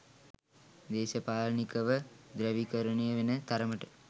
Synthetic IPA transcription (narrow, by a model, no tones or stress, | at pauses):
d̪eːʃɐpaːlnikəʋəd̪ɾəʋikəɾəɳejəʋenət̪aɾəməʈə̥